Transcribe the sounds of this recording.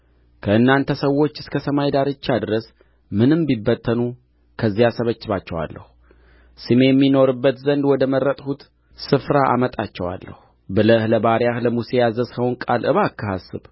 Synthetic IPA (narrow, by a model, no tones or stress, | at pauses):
kʰəʔɨnːant̪ʰəsəwːo̞t͡ʃːɨskʰəsəmajd̪aɾɨt͡ʃːad̪ɾəs | mɨnɨmbibːət̪ʰːənu | kʰəzːijasəβət͡ʃːɨβat͡ʃːɛwa̰lːə̰hu | sɨme̞jɛmːino̞ɾɨbːət̪zənd̪wɔd̪əmərːət̪ʼhut̪ | sɨfɾaʔa̰mət̪ʼat͡ʃːɛwa̰lːə̰hu | bɨləhləbaɾjahləmuse̞jazəshəwnkʼalʔɨβakʰːəhasːɨ̰β